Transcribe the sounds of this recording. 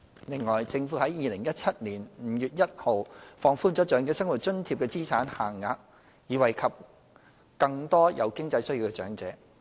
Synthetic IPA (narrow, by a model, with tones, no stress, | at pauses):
lɪ˨˩ŋːɔː˨˩jt͡sɪ˧ŋfuː˨˥hɐ˨˥jːiː˨˧lɪ˨˩ŋjɐ˥t̚t͡sʰɐ˥t̚niː˨˩nm̩ː˨˥jyː˨t̚jɐ˥t̚ho˨wfɔː˧ŋfuː˥nt͡sɔː˨˥t͡ʃœː˨˥ŋkɛː˧˥sɐ˥ŋwu˨t̚t͡ʃɵ˥nt̪ʰiː˧p̚kɛː˧t͡siː˥t͡sʰaː˨˥nhaː˨˩ŋːaː˧k̚ | jiː˨˧wɐ˨jkʰɐ˨p̚ | kɐ˧ŋt̪ɔː˥jɐ̰˨˧wkɪ˥ŋt͡sɐ˧jsɵ˥ɥji˨˧wkɛː˧t͡ʃœː˨˥ŋt͡sɛː˨˥